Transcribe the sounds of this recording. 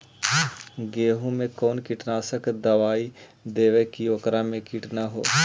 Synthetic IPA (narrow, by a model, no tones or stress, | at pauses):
ɡeːɦõmẽkɔːnkiʈnaːsəkd̪ɐʋaːi | d̪eːʋekioːkɾamẽkiʈnaɦo̰ː